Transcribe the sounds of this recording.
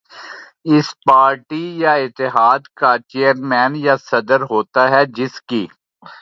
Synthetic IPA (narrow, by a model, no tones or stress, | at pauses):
ɪspaːɾʈijaɪt̪ːɪɦaːd̪kat͡ʃeːəɾmɛ̃ːnjasɐd̪əɾɦoːt̪aɦɛd͡ʒɪskiː